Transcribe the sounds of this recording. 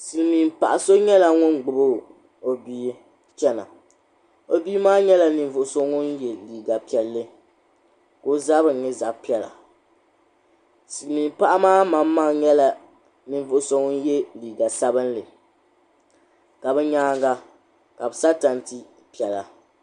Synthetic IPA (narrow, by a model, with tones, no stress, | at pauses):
sɨ˨lmiː˨mpa̰˨ʔa˨so˦ɲɛ˦la˨ŋʊ˦nɡ͡bʊ˨bo˦ | o˨biː˦ | t͡ʃɛ˦na̰˨ | o˦bi˦maː˦ɲɛ˦la˨nɨ˨vʊ˨ʔʊ˨so˦ŋʊ˦njɛ˨liː˨ɡa˨pi˨ɛ˨lːɨ˦ | ko˦za˦bɨ˨nːɪ˦za˨pi˦ɛ˨la̰˨ | sɨ˨lmiː˨mpa˦ʔa˦maː˦ma˨mːa˦ŋɲɛ˦la˨ | nɨ˨ɱ˨vʊ˨ʔʊ˨so˦ŋʊ˦n˦jɛ˦liː˨ɡa˨sa˦bɨ˦nlɨ˨ | ka˨bɛ˦ɲaː˦ŋɡa˦ | ka˨bɨ˨sa˦ta˨n˦ti˦ | pi˨ɛ˨la˨